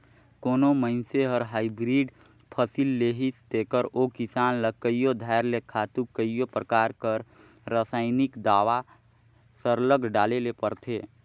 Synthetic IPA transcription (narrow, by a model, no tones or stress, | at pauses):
koːnomə̃ɪnseɦəɾɦaːibɾiːɖ | pʰəsilːeːɦist̪eːkəɾoːkɪsaːnləkːəijod̪ʱaːɾlekʰaːt̪ukəijopɾəkaːɾkəɾ | ɾasaːɪnɪkd̪aːʋa | səɾləɡɖaːlelepəɾt̪ʰeː